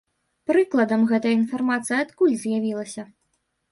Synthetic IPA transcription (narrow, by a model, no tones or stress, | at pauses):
pɾɨklˠɐd̪ɐmɣɛt̪ɐjɐinfarmat̪sɨjɐat̪kulʲzʲjavʲilˠɐsʲɐ